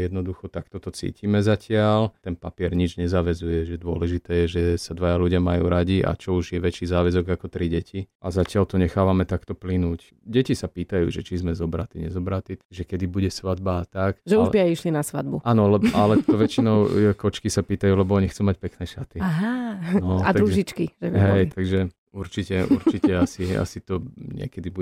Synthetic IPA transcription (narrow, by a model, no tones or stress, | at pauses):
jɛd̪nɔd̪uxɔt̪ak̚t̪ɔt̪ɔt͡sḭːcimɛzacɪalt̪ɛnpapɪɛɾɲid͡ʒɲɛzaːʋɛzujɛʒɛd̪ʊɔlɛʒit̪ɛːjɛʒɛsad̪ʋajaluɟɪamajṵːɾaɟiʔa̰t͡ʃɔuʒjɛʋɛt͡ʃiːzaːʋɛzɔɡakɔt̪ɾiɟɛciʔazacɪalt̪ɔɲɛxaːʋamɛt̪akt̪ɔplinuːc | ɟɛcisapiːt̪ajṵːʒɛt͡ʃizmɛzɔbɾat̪iɲɛzɔbɾat̪iʒɛkɛd̪ibuɟɛsʋad̪̚baːt̪akʒɛuʒbiajiʃlinasʋa̰d̪buaːnɔlɛbalɛt̪ɔʋɛt͡ʃinɔʊkɔt͡ʃkisapiːt̪ajuːlɛbɔɔɲixt͡suːmac̚pɛknɛːʃat̪iaɦanɔad̪ɾuʒʒit͡ʃkiʒɛɦɛjt̪aɡʒɛ | uɾt͡ʃicɛṵɾt͡ʃicɛasia̰sit̪ɔɲɪɛ̰kɛd̪ibu